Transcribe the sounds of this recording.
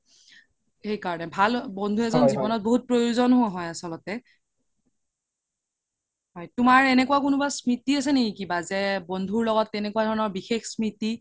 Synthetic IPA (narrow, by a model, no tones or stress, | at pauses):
xejkaɹɔnɛbʱalbɔndʱuɛzɔnzibɔnɔt̚boɦut̚pɹojuzɔnɦʊaɦɔjasɔlɔtɛ | ɦɔjtumaɹɛnɛkuakunubasmitiasɛnekikibazɛbɔndʱuɹlɔɡɔtːɛnɛkuwadʱɔɹɔnɔɹbixexsmiti